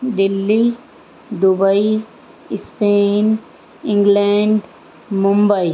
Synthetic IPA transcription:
d̪ɪlːi | d̪ʊbəi | speːn | ɪ̃ŋɡleɳɖ | mʊ̃mbəi

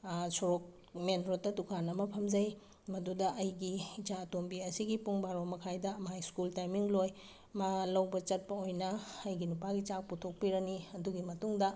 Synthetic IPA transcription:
suɾok̚ | menɾotːɐdukʰanɐmɐpʰɐmd͡ʒɐj | mɐdudɐʔɐjɡid͡ʒaɐtombiɐsiɡipuŋbaɾomɐkʰajdɐmajskultajmiŋloj | malɐwbɐt͡ʃɐt̚pɐojnɐɐjɡinupaɡit͡ʃak̚putʰok̚piɾɐniɐduɡimɐtuŋdɐ

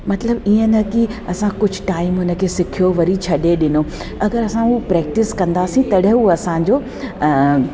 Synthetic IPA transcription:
mɐt̪ləbiːə̃nɐkiɐsãkʊd͡ʑʱʊʈaːɪmɦʊnə̆kʰeːsɪkʰijoʋɐɾit͡ɕʰɐɗeɗɪno | ɐɡəɾɐsãɦupɾɛːk̚ʈɪskɐ̃nd̪aːsĩt̪ɐɗɦuɐsãd͡ʑoː

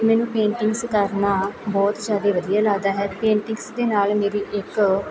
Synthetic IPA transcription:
mɛ̃ːnũːpẽːɳʈɪ̃ŋɡskəɾnaːbɔːt̪d͡ʒjaːd̪eːʋəd̪ijaːlaːd̪aːɦɛːpẽːɳʈɪ̃ŋɡsd̪eːnaːlmeːɾiːʔɪk

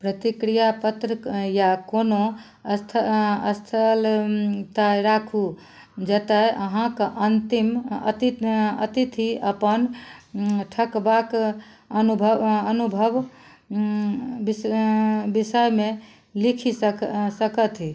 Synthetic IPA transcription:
pɾət̪ikɾijapət̪ɾəjakono | t̪ʰəst̪ʰəlt̪ajɾakʰu | d͡ʒət̪ajəɦãkʔənt̪imə̰t̪iə̰t̪it̪ʰiəpən | ʈʰəkbak | ənubʱəənubʱəb | b | bisəjme | likʰisəkət̪ɦi

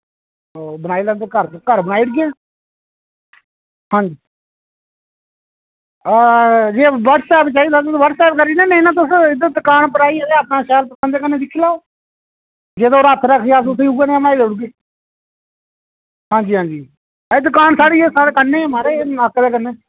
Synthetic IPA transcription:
oːbənaːiːlɛ̃ːnd̪eːkəɾkəɾbənaːiːɽɡẽː | hãːɲd͡ʒiː | d͡ʒeːʋəɖsɛːpt͡ʃaːiːt̪aːt̪ʊsʋəɾsɛːp̚kəɾiːnẽːnẽnãːt̪̬ʊsɪd̪əd̪ʊkaːnp̬əɾaːiːɛːɡeːəpnaːʃɛːlpəsãːnd̪eːkənːeːd̪ɪkʰːiːlaː | d͡ʒeːd̪ooːɾət̪ʰɾəkʰːeas̬ʊsʰiːuːeːnẽbnaːiːd̪eːʊɽɡeː | ɦãːɲd͡ʒiːɦãːd͡ʒiː | d̪ʊkaːnsaːɽiːeːsaːɽekəneːmaːɾeːəkːd̪eːkənːeː

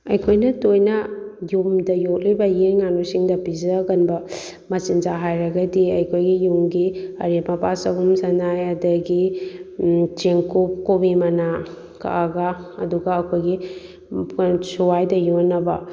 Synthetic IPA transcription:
ɐjkʰojnɐtojnɐjumdɐjok̚libɐjiɾŋanusiŋdɐpizɐɡɐnbɐ | mɐt͡ʃinzaɦajɾɐɡɐdiɐjkʰojɡijuŋɡiɐɾemɐpasɐɡumsɐnajɐdɐɡi | t͡ʃeŋkup̚kobimɐna | kʰa̰ʔaɡaɐ̰duɡɐɐkʰojɡi | suwajdɐjonːɐbɐ̰

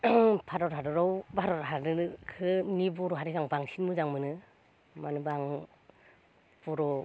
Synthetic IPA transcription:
pʰaɾɔɾɦadɔɾɔwbaɾɔɾɦaɾnɯnɯkʰɯnibɔɾɔɦaɾiɡaŋbaŋsinmɯzaŋmɯnɯ | manɯbaŋ | b̥ɔɾɔ

